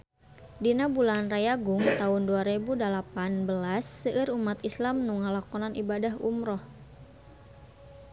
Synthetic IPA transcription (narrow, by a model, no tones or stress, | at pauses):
dinabulanrajaɡʊŋt̪aʊnduaɾebudalapanbəlasːəʔɨɾumat̪islamnuŋalakɔnanʔibadaɦṵmɾɔh